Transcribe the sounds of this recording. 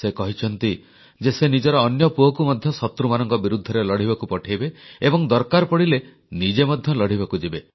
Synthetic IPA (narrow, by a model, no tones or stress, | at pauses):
sekɔɦit͡ʃʰɔnt̪i | d͡ʒesenid͡ʒɔɾɔːnjɔpuɦɔkumɔd̪ʱjɔsɔt̪ɾumanɔŋkɔbiɾud̪ʱːɔɾelɔɽ̤iβakupɔʈʰajbeebɔŋd̪ɔɾkaɾpɔɽile | nid͡ʒemɔd̪ʱjɔlɔɽ̤ibakud͡ʒibe